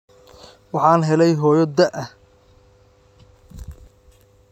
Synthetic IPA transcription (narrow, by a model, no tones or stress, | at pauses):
wɑħɑːnɦɛlɛjɦɔːjɔd̪ɐʔɐh